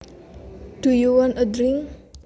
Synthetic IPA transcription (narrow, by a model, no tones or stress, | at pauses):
d̥ujuwɔnədɾiŋ